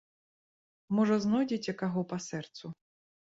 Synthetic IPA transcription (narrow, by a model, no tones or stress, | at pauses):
mɔʐɐznɔjd͡zʲit͡sʲɐkaɣɔpɐsɛrt̪su